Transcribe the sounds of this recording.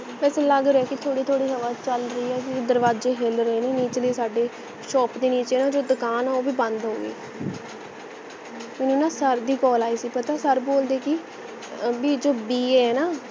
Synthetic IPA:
ʋɛːseːləɡɾeɛːkɪt̪ʰoːɽiːt̪ʰoːɽiːsəʋaːt͡ʃəlɾəiːɛːkɪd̪əɾʋaːd͡ʒeːɦelɾəeːneːniːt͡ʃeliːsaːɖeː | ʃɔːpd̪eːniːt͡ʃeːnaːd͡ʒoːd̪ʊkaːnaːoːbiːbə̃nd̪ɦo̰ːɡḭː | mɛːnũːnãːsəɾd̪iːkɔːlaːisiːpət̪aːsəɾboːld̪eːkɪ | biːd͡ʒoːbiːeːɛːnaː

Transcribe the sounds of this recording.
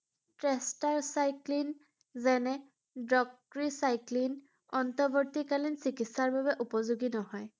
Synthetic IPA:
tɹestaɹsajklin | zɛnɛ | dɹɔk̚ | ɹisajklin | ɔntɔbɔɹtikalinsikitsaɹbabɛʔupɔzuɡinɔɦɔj

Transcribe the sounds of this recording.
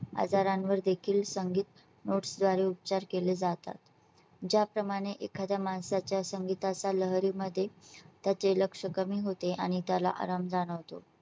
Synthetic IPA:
a̰d͡zaɾãnʋəɾd̪ekʰiːlsəŋɡiːt̪ | noʈsd̪ʋaɾeup̚t͡ɕaɾkeled͡zat̪a̰t̪ | d͡ʑapɾəmaɽ̃eʔekʰad̪jamansat͡ɕjasəŋɡit̪at͡saləɦɾiːməd̪ʱːjet̪jat͡seləkʂəkəmiːɦot̪eʔaɽ̃it̪jala̰ʔa̰ɾamd͡zaɽ̃əʋt̪o

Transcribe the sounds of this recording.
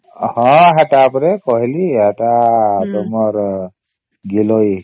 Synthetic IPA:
hɔ̃ɦatapɾɛkɔɦiliataːdɔmɔɾ | ɡilɔj

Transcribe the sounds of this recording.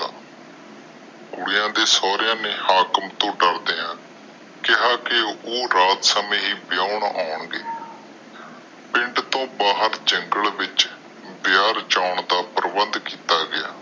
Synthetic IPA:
a | kʊɽɪjãːd̪eːsɔːɾjãːneːhaːkəmt̪õːɖəɾd̪eːãː | kɪɦaːkɪoːɾaːt̪səmẽːɦiːbɪjaːʊɳaːʊɳɡeː | pɪ̃ɳɖt̪õːbaːɦəɾd͡ʒəŋɡəlʋɪt͡ʃ | bɪjaːɾt͡ʃaːɳd̪aːpəɾbənd̪kiːt̪aːɡɪjaː

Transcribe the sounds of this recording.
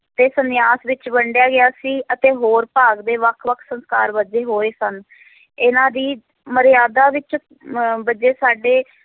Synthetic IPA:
t̪eːsənɪjaːsʋɪt͡ʃbəɳɖɪjaːɡɪjaːsiːət̪eːɦoːɾpaːɡd̪eːʋəkʰʋəkʰsənskaːɾbəd͡ʒeːɦoːeːsən | ɪnãːd̪iː | məɾɪjaːd̪aːʋɪt͡ʃ | bəd͡ʒeːsaːɖeː

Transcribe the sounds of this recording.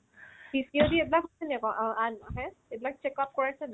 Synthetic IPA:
biskiodiebilakɔsɛniakɔʔanɔɦɛ̃ebilak̚t͡ʃekɔp̚kɔɹasɛn

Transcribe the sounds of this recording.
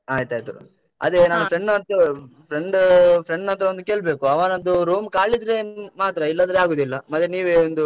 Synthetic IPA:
aːjt̪aːjt̪ṵ | ɐ̰d̪enaːnupʰɾeɳɖnɐt̪ɐpʰɾeɳɖpʰɾeɳɖnɐnt̪̬ɾɐond̪uke̞ːɭbe̞ːkuɐʋaːnond̪uɾuːmkaːɭid̪ɾe̞maːt̪ɾɐilːɐnd̪ɾeaːɡoːd̪ilːɐmɐt̪ːjeniːʋeond̪u

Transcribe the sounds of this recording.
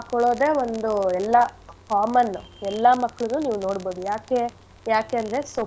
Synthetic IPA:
kɔɭoːd̪e̞ːʋond̪uɛlːɐkaːmɐnːuɛlːɐmɐkːɐɭunːuːniːʋuno̞ːɽbo̞ːd̪ujaːke | jaːke̞ɐnd̪ɾe̞so

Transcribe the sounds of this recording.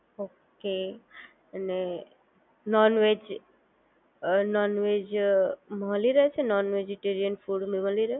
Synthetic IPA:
oke | əne | nɔnʋed͡ʒ | nɔnʋed͡ʒmə̃liɾəɦet͡ʃʰenɔnʋed͡ʒeʈeɾijənfuɽmimə̃liɾəɦe

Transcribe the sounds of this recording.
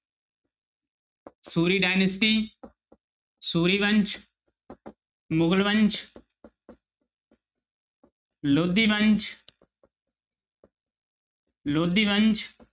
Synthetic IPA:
suːɾiːɖaːjnəsʈiː | suːɾiːbɐnt͡ʃ | mʊɡlʋɐnt͡ʃ | loːd̪iːbɐnt͡ʃ | loːd̪iːʋɐnt͡ʃ

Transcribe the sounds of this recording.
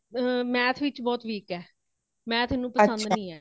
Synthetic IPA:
mɛ̃ːt̪ʰʋɪt͡ʃbɔːt̪ʋiːkɛː | mɛ̃ːt̪ʰɪnũːpəsə̃nd̪nĩːɛː

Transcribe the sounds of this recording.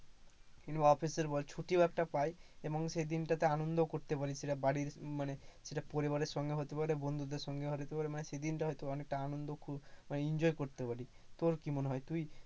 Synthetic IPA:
kinbaɔpʰiseɾbɔlt͡ʃʰuʈibak̚ʈapajebɔŋsed̪inʈat̪eanɔnd̪ɔkoɾt̪epaɽiseʈabaɽiɾmaneseʈapɔɾibaɾeɾsɔŋɡeɦot̪epaɾebɔnd̪ʱud̪eɾsɔŋɡeɦot̪et̪epaɾemanesed̪inʈaɦɔjt̪ebɔnek̚ʈaanɔnd̪ɔkʰubmaneind͡ʒɔjkoɾt̪epaɽit̪oɾkimonɦɔjt̪uj

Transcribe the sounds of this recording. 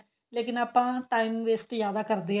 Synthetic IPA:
leːkɪnaːpãːʈaːimʋeːsʈ̪jaːd̪aːkəɾd̪eː

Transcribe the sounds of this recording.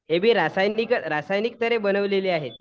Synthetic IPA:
ɦebʱiːɾasajnikəɾasajnik̚t̪əɾebənəʋleliːaɦet̪̚

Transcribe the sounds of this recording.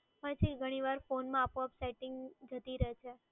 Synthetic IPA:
pəɳt͡ʃʰiɡʱəɽ̃iʋaɾfonmãapõapsajʈɪŋɡd͡ʒət̪iɾəɦet͡ʃʰe

